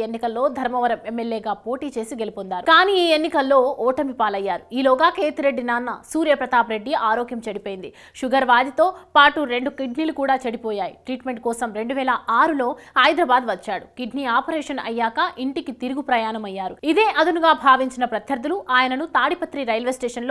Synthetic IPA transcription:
enːikɐlːo̞ːd̪ʱɐɾmɐʋɐɾɐmemːeljeːɡaːpo̞ːʈiːt͡ʃe̞ːsiɡelipond̪aːɾukaːniiːenːikɐlːo̞ːɔːʈɐmʋipaːlɐjːaːɾuiːloːɡaːkeːt̪uɾeɖːinaːnːɐsuːɾjɐpɾɐt̪aːpɾe̞ɖːiaːɾoːkjɐmt͡ʃɐɽipoːjind̪i | ʃuɡɐɾʋaːd̪ʱit̪o̞ːpaːʈuɾe̞ɳɖukiɖnilukuːɽaːt͡ʃɐɽipoːjaːjḭʈɾiːʈme̞ɳʈ̚kɔːsɐmɾe̞ɳɖuʋɛːlɐʔaːɾulo̞ːɐjd̪ɾɐbaːd̪ʋɐt͡ʃːaːɽukiɖniaːpɐɾɛːʂɐnɐ̰jːaːkɐʔiɳʈikit̪iɾuɡupɾɐjaːnɐmɐjːaːɾuid̪e̞ːʔɐd̪unuɡaːbʱaːʋiɲt͡ʃinɐpɾɐt̪ʰjɐɾd̪ːuluʔaːjɐnɐnut̪aːɽipɐt̪ɾiɾɐjlʋesʈeːʂɐnloː

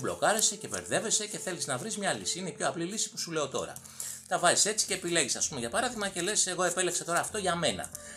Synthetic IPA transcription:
blo̞̰kɐɾe̞se̞ce̞veɾðe̞ve̞se̞ce̞θe̞liznɐvɾizmɲɐlisiine̞ipço̞ɐplilisi̥pu̥sule̞o̞t̪o̞̰ɾɐ̰ | t̪ɐvɐzise̞t͡si̥ce̞ːpile̞ʝisɐspumeʝɐpɐɾɐθiɣmɐce̞le̞se̞ɣo̞e̞pe̞leksɐt̪o̞ɾɐːft̪o̞ʝɐme̞nɐ̰

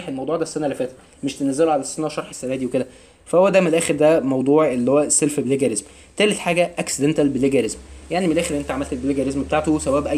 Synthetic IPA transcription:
ħelmɑwd̪ˤuʕd̪æsːænælefæːt̪ɾæ | meʃt̪enæzːeloʕalæsːænæwʃɑɾˤħe̥sːænæːd̪iweked̪æ | fæhowːæd̪æmenelʔæːxeɾd̪æmɑwd̪ˤuːʕʔelːihowːæsːelfbeleɡæɾezm | t̪æːlet̪ħaːɡæʔæksed̪ent̪ælbeleɡæɾezmjaʕnimenlʔæːxeɾenːʔent̪æʕamælt̪ebeleɡæɾezmbet̪aʕt̪osæbæːbʔæj

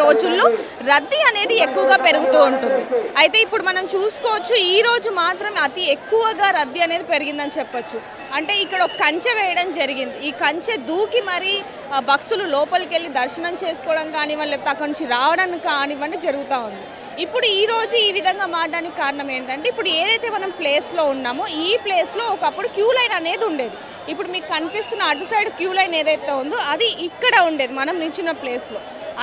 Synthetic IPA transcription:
oːd͡ʒulːoː | ɾɐd̪ːiɐne̞ːd̪iekːuʋɐɡaːpe̞ɾuɡut̪uːuɳʈund̪iɐjt̪e̞ːipːuɽumɐnɐmt͡ʃuːsu̥kɔːʋɐt͡ʃːuiːɾo̞ːd͡ʒumaːt̪ɾɐmɐt̪iekːuʋɐɡaːɾɐd̪ːiɐne̞ːd̪ipe̞ɾuɡind̪ɐnit͡ʃɛpːɐt͡ʃːu | ɐɳʈe̞ːikːɐɽɐokkːɐɲt͡ʃeʋɛːjɐɽɐmd͡ʒɐɾiɡind̪iiːkɐɲt͡ʃed̪uːkimɐɾi | bʱɐkt̪ululɔːpɐluke̞ɭːid̪ɐɾʃɐnɐmt͡ʃe̞ːsu̥kɔːɽɐmkaːniʋɐnleːpːut̪eɐkːɐnuɲt͡ʃiɾaːʋɐɽɐnkaːniʋɐnːid͡ʒɐɾuɡut̪aːund̪i | ipːuɽuiːɾo̞ːd͡ʒuiːʋid̪ʱɐŋɡaːmaːaːnikikaːɾɐɳɐme̞ːɳʈɐɳʈeːipːuɽueːd̪ɐjt̪e̞ːmɐnɐmple̞ːslo̞ːunːaːmuiːple̞ːslo̞ːɔkɐpːuɽukjuːlɐjnɐne̞ːd̪iuɳɖe̞ːd̪i | ipːuɽumiːkukɐnipist̪unːɐːʈːusɐjɖkjuːlɐjneːd̪ɐjt̪eːund̪iɐd̪iʔikːɐɽɐuɳɖe̞ːd̪imɐnɐmnuɲt͡ʃinɐple̞ːslo̞ː

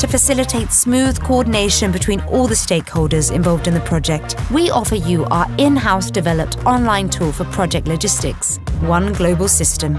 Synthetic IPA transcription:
tʰəfəsɪlɪtʰeɪtsmʉːð̥kʰəɔːdⁿn̩eɪʃə̃nbɪtʰw̥ĩːnɔːlˠðəsteɪkhoʊlˠdəzɪ̰̃ɱvɒlˠvdɨ̃nðəpʰɹ̥ɒd͡ʒɛk̚twiʔɒfəjəʔəɪ̃nɦaʊsd̥ɨvɛləp̚tɒ̃nlãɪ̃ntʰuːlˠfəpʰɹ̥ɒd͡ʒɛk̚tˡləd͡ʒɪstɪ̰ks | wʌ̃nɡloʊbəlˠsɪstə̃m

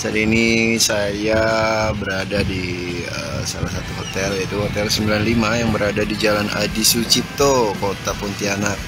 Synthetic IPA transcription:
saɾiinisajabəɾadadi | ə̰ | salas̬at̪uɦot̪ɛlat̪uɦot̪ɛlsəmbilanlimajaŋbəɾadadid͡ʒalana̰disut͡ʃip̚t̪okot̪apunt̪ianak̚

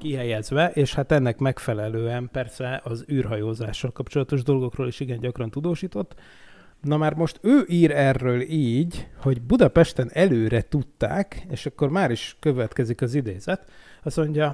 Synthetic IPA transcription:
kiɦɛjɛzʋɛʔeːʃhat̪ɛnːɛkmɛkfɛlɛløːɛmpɛrsɛʔɒzyːrɦɒjoːzaːʃːɒlkɒpt͡ʃolɒt̪o̞ʒd̪o̞lɡo̞kroːliʃiɡɛɲɟɒkrɒnt̪ud̪oːʃiːt̪o̞t̪ː | nɒmaːrmo̞ʃt̪øːʔiːɾɛrːøːliːɟho̞ɟbud̪ɒpɛʃt̪ɛnɛløːɾɛt̪ut̪ːa̰ːkeːʃɒkːo̞rmaːɾiʃkøvɛt̪kɛzikɒzid̪eːzɛt̪ɒsmo̞ɲɟɒ

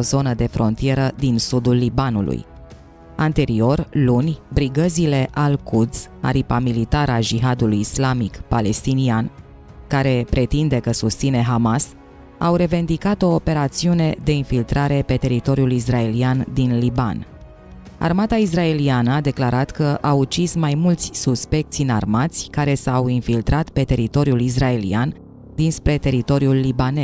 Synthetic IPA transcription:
ozo̞nəd̪e̞fɾo̞̰nt̪ije̞ɾəd̪insud̪ulːibanṵlṵj | ant̪e̞ɾio̞rlunʲbɾiɡəzile̞ʔalkud̪z̥ʲa̰ɾipamilit̪aɾad͡ʒiɦad̪ulujislamikpale̞st̪inian | kaɾe̞pɾe̞t̪ind̪e̞kəsust̪sine̞ɦamas | a̰wɾe̞ve̞nd̪ikat̪o̞ːpe̞ɾat̪siune̞d̪e̞infilt̪ɾaɾe̞pe̞t̪e̞ɾit̪o̞ɾiulis̬rae̞liand̪inliba̰n | a̰rmat̪ais̬rae̞lianəad̪e̞klaɾat̪kəʔawut͡ʃismajmult̪sʲsuspe̞k̚t̪sinarmat̪sʲkaɾe̞sawinfilt̪ɾat̪pe̞t̪e̞ɾit̪o̞ɾiulis̬rae̞lḭan | d̪inspɾe̞t̪e̞ɾit̪o̞ɾjulːibane

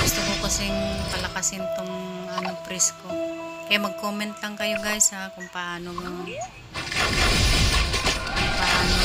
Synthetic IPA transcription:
ɡust̪ʊkokɐsɪŋkɐlɐkasɪnt̪oŋanopɾɛskokɐjamɐɡ̚koːmɛnt̪lɐŋkɐjoɡajsakʊŋpɐʔaːnomo | paʔaːno

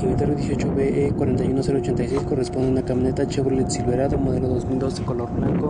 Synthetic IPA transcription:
keit̪aɾβiðjesjo̞t͡ʃoβeʔekwaɾe̞nt̪ajunoseɾoːt͡ʃent̪ajsejskoresponeunakaminet̪at͡ʃeβɾelet̪silβeɾaðomoðeloðozmild̪o̞sðekoloɾβlaŋko

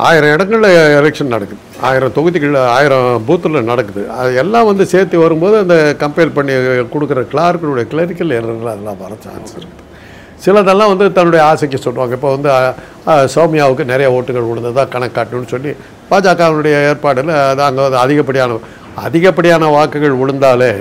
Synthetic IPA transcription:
a̰ːjɪɾɐ̃ɪɽɐŋɡɐɭlɐɛlɛkʂɐnnɐɽɐkːɯðɯaːjɪɾɐ̃t̪ɔɣɯðikɐɭaːjɪɾɐ̃buːt̪ːɯlɐnɐɽɐkːɯðɯɐ̰ðɯɛlːãːʋɐnd̪ɯseːɾt̪ːiʋɐɾɯmboːðɯɐnd̪ɐkɐmpeːlpɐɳːikɔɽɯkːɯɾɐkɪɭaːɾkɐlʊɽɐjɐkɪɭɐɾɪkːɐlɛɾɐɐlɐðɛlːã̰ːʋɐɾɐt͡ʃːa̰ːnsɪɾɯkːðɯ | sɪlɐðɐlːãːʋɐnd̪ɯt̪ɐnːɯɽɐjɐaːsɐk̬ːɛsɔlːɯʋaːŋɡɐɪpːoːʋɐnd̪ɯ | sɐʊmɪjaːʋɯkːɯnɛɾɐjɐoːʈːɯɣɐɭʊɻɯnd̪ɐðãːkɐɳɐkːaːʈnɯnːɯsɔnːi | paːd͡ʒaːkaːʋɐnɯɽɐjɐeːɾpaːɽɪlɐðɐŋɡɐɐnd̪ɐðɪɣɐp̬ːɐɽɪjaːnɐ | ɐ̰ðɪɣɐpːɐɽɪjaːnɐʋaːkːɯɣɐɭʋʊɻɯnd̪aːleː

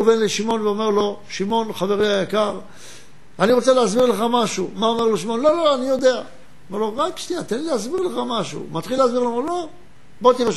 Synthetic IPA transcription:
venleʃimo̞nveome̞ʁlo̞ʃimo̞nχave̞ʁeajakaʁ | aniʁo̞t͡seleazbiʁle̞χamaʃumaomeʁlo̞ʃimo̞nlo̞looanijo̞d̪e̞a | omeʁlo̞ʁakʃniat̪enleazbiʁleχamaʃṵmat̪χileazbiʁlomlo̞ | bo̞t̪iʁ

